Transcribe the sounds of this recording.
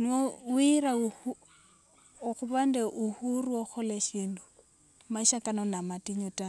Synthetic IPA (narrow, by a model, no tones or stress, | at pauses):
nɔwiɾa | ɣuβandɛʔuhuruɔxʰɔleʃiːndu | maiʃakanɔnamatʼiɲutʼa